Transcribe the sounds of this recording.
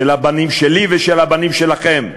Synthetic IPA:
elabanimʃeliveʃelabanimʃe̞laχe̞m

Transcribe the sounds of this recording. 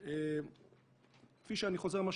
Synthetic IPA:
e | kfiʃeaniχo̞ze̞maʃ

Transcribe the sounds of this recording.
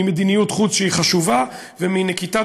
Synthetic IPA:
imed̪inijut̪χut͡sʃeiχaʃuva | veminekit̪a

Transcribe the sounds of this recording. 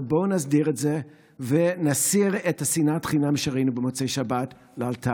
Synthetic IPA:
bo̞nazdiʁetze | venasiʁethasinatχinamʃeʁainubemot͡sejʃabat | lealtʰa

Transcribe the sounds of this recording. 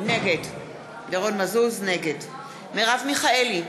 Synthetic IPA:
neɡed | deʁonmazuzneɡed | meʁavmiχaeli

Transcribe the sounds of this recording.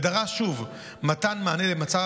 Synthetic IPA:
daʁaʃuv | matanmaːnelemat͡sa

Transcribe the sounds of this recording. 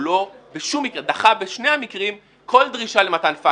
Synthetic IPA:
lo̞beʃumːikʁed̪aχabeʃne̞hamikʁim | kʰo̞ldʁiʃale̞matanfa

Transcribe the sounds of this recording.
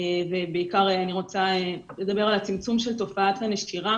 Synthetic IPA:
vebeikaʁeaniʁo̞t͡sae | led̪abe̞ʁalat͡simt͡sumʃelto̞faatlaneʃt̪iʁa

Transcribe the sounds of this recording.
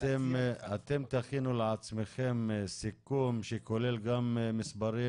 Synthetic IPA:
t̪emat̪e̞mt̪aχinuleat͡sme̞χe̞msikumʃeko̞le̞lɡamːisbaɾi

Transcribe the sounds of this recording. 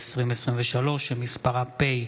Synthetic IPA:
sʁimesʁimveʃalo̞ʃemispaʁapej

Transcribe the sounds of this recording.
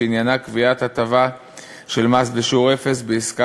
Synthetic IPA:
injanakviat̪at̪ava | ʃe̞lmasbeʃuʁe̞fe̞sbeiska

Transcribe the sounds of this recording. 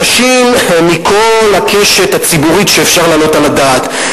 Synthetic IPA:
ʃimmikʰo̞lakʰe̞ʃet̪at͡sibuʁiʃeːfʃaʁlaːlo̞talad̪at̪

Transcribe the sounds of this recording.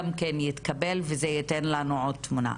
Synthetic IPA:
amkenjit̪kabelvezejit̪enlanuʕo̞d̚t̪muna̰

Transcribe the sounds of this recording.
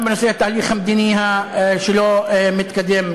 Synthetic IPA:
bɪnʊsiːʔat̪ːahliːxhamd̪iniːhaʃɪloːmɪt̪kad̪ːɪm

